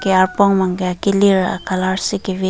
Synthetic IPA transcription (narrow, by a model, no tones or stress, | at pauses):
keaɾpoŋmaŋɡeakiliɾa̰kalaɾsikiβi